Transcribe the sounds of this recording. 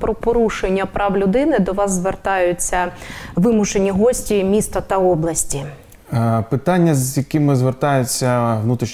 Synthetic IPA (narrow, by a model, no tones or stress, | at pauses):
pɾɔpɔɾuʃenʲːɐpɾɑʋlʲʊd̪ɪnɪd̪ɔʋɑzzʋert̪ɑjʊt͡sʲːɐʋɪmʊʃenʲiɦɔsʲtʲimʲist̪ɐt̪ɐɔblˠɐsʲtʲi | pɪt̪ɑnʲːɐzjɐkɪmɪzʋert̪ɑjʊt͡sʲːɐʋnut̪ɾʲiʃ